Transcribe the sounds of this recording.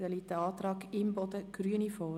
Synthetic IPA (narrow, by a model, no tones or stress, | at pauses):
əlit̪əɑːt̪ɾɑːɡɪmbɔd̪əɡ̥ɾyːənifɔː